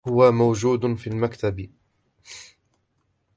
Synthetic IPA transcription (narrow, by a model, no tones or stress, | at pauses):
hʊwamawd͡ʒuːd̪ʊfiːlmakt̪ab